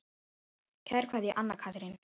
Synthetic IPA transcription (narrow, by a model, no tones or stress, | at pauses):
cʰɛɾ̥kʰvaːðjɛʔanːakʰat̪ɾɪn